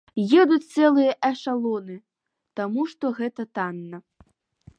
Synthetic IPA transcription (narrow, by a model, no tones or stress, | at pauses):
jɛd̪ut͡sʲt̪sɛlˠɨjɐʔɛʂalˠɔnɨ | t̪amuʂt̪ɔɣɛt̪ɐt̪anːɐ